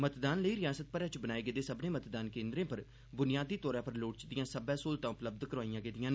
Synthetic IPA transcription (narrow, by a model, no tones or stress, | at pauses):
mət̪d̪aːnləiːɾɪjaːsət̪̚pəɾɛt͡ʃbənaːeːɡeːd̪eːsəbnẽːmət̪d̪aːnkẽːnd̪ɾẽːpəɾ | bʊnɪjaːd̪iːt̪ɔːɾãːpəɾloːʈt͡ʃd̪ɪjãːsəbɛːsoːlt̪ãːʊpləb̚d̪kəɾaːijãːɡeːd̪ɪjãːn